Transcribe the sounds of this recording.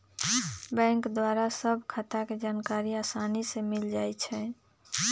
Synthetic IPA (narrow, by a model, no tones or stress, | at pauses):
bɛ̃ŋkd̪waɾasəbʱkʰat̪aked͡ʒaːnkaɾiaːsanisemild͡ʒaːjt͡ʃʰɛ